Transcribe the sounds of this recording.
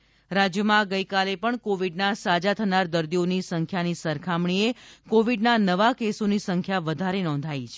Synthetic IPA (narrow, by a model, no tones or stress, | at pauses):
ɾad͡ʒjəmãɡəjkalepəɳkoʋiɖnasad͡ʒat̪ʰənaɾd̪əɾd̪ionisəŋkʰjanisəɾkʰamɳiekoʋiɖnanəʋakesonisəŋkʰjaʋəd̪ʱaɾenɔ̃nd̪ʱait͡ʃʰ